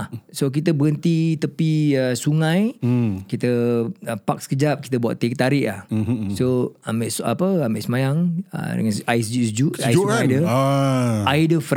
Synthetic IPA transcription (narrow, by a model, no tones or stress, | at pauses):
sok̬it̪əbəɣənt̪it̪əpiəsuŋãjkit̪əəpak̚sə̥kəd͡ʒap̚ki̥t̪əbua̰ʔ̪ek̚t̪aɾɪʔlahsoa̰mbɪʔsa̰pəambɪʔsəmajaŋə̰də̰ŋanajsd͡ʒusəd͡ʒuʔajd͡ʒukajdə | aidəf